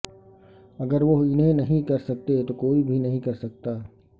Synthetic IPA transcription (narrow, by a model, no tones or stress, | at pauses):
ɐɡəɾʋoɦɪnɦẽnɐɦĩkɐɾsɐk̚t̪et̪okoːibʱinɐɦĩkɐɾsɐk̚t̪aː